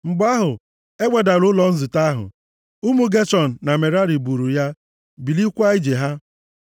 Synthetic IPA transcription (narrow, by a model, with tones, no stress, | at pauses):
ŋ͡m̩˨ɡ͡ba˦ɦʊ˨ | e˦ɡ͡bʷe˨da˨ɾʊ˦lɔ˨n̩˦zɪ˨ta˦ɦʊ̰˨ | u˦mu˦ɡe˦t͡ʃɔ˨n̩˨na˨me˨ɾa˦ɾi˨bu˨ɾu˨ja˦ | bi˨li˦kʷa˦i˦d͡ʒe˨ɦa˦